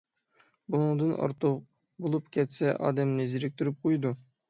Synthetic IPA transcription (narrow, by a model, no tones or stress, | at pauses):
bunɨŋd̪ɨnʔɑ̰ɾt̪ʰʊq | bolˠup̚kʲʰɛt̪sɛʔɑ̰ːd̪ɛmnɪziɾɪk̚ʲt̪ʰyɾyp̚qʰojd̪u